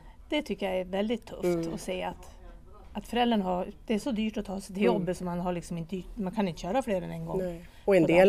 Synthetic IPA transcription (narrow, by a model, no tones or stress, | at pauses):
d̪̥ɛt̪ʰʏkːəjaɛɾvɛld̪ɪt̪ʰːɵ̰ft̪ɔseːat̪ | at̪fœɾɛld̪əɳɦaɾd̪̥ɛæʂɔd̪yːʈɔt̪ʰɑːsd̪ɛjɔbːət̪sɔmːanɦaɭɪksɔmɪnt̪əmankʰanɪnt̪ə̥ɕœːɾafleːɾɛ̰nɛnɡɔ | ɔɛnd̪eːl